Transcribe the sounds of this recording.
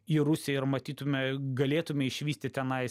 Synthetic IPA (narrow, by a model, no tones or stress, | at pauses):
iːɾʊsʲeɪɾmɐt̪ʲiːt̪ʊmʲɛɡɐlʲeːt̪ʊmʲɛɪʃʲʋʲiːst̪ʲɪt̪ʲɛnɐɪ